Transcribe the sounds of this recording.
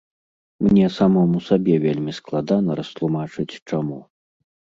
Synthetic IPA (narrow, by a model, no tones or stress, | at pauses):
mnʲɛsamɔmusabʲɛvʲelʲmʲisklˠad̪anɐɾɐst̪lˠumat͡ʂɨt͡sʲt͡ʂamu